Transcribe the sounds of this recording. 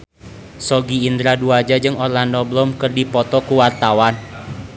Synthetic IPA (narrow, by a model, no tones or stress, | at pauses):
sɔɡiːnd̪ɾaduad͡ʒad͡ʒɨŋɔrlandɔblɔmkɨrdipɔt̪ɔkuwart̪awan